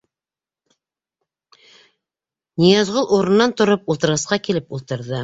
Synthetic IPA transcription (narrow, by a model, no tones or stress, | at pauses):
nijɑzʁolˠuɾɤ̆nːɑnt̪ŏɾɤp̚ulˠt̪ɤ̆ɾʁɑsqɑkilɘpulˠt̪ɤ̆ɾðɤ